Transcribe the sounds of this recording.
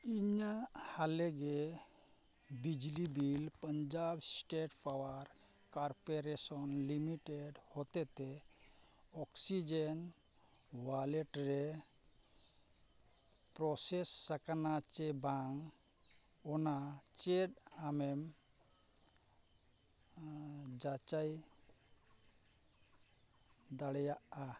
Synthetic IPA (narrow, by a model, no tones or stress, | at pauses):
iɲahaleɡe | bid͡ʒlibilpəɲd͡ʒabsʈeʈpawaɾ | kaɾpeɾesɔnlimiʈeɖhɔt̪ɛt̪e | ɔksid͡ʒen | waleʈɾe | pɾɔsesːakanat͡ʃɛbaŋ | ɔnat͡ʃeɖamɛm | d͡ʒat͡ʃaj | d̪aɽɛjaʔa